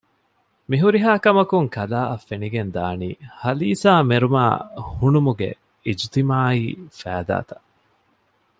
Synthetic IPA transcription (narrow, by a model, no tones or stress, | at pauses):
miɦuɾiɦaːkɐmɐkuŋkɐlaːʔɐfːeniɡend̪aːnḭːhɐliːsaːmeɾuma̰ːhunumuɡḛ | id͡ʒt̪imaːiːfæːd̪a̰ːt̪ɐ̥ʔ